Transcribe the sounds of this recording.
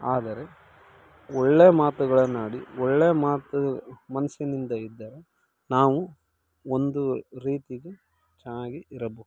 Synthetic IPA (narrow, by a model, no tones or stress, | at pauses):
aːd̪ɐɾe̞ | ɔɭːeːɐmaːt̪uɡɐɭɐnaːɽiɔɭːeːɐmaːt̪umɐnɐsinind̪ɐid̪ːɐɾe̞ | naːʋu | ond̪uɾiːt̪iɡe | t͡ʃɛnaːɡiiɾɐboːd̪u